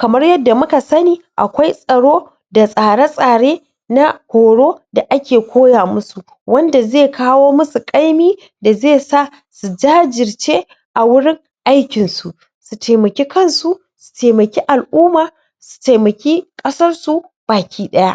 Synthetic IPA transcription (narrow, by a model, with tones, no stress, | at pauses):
kɐ˨mɐ˦rjɐ˦dːa˨mʊ˦ka˨sɐ˦niː˨ʔa˨kʷa˦jsʼɐ˨ɽoː˦ | da˨sʼaː˨ɽa˦sʼaː˨ɽeː˦ | na˦kʷoː˨ɽoː˦da˨ʔa˦kʲeː˨kʷʰoː˦jaː˨mʊ˦su˨ | wʔɐ˦nda˨zeː˦˨kʰaː˦woː˦mʊ˦su˨kʼa˦jmiː˦ | da˨zeː˦˨sa˦˨ | su˨d͡ʒaː˦d͡ʒɪ˨rt͡ʃeː˦ | ʔa˨wʊ˦ɽɪ˦ŋ | ʔa˦jkʲɪ˨nsu˨ʔ | su˨tʰeː˨mɐ˨kʲeː˦kɐ˦nsu˨ | su̥˨teː˨mɐ˨kʲeː˦ʔa˨lʔuː˦maː˨ | su̥˨te˨mɐ˨kʲeː˦kʼɐ˦sɐ˦rsu˨ | b̥aː˨kʲiː˦ɗɐ˦ja˦ʔ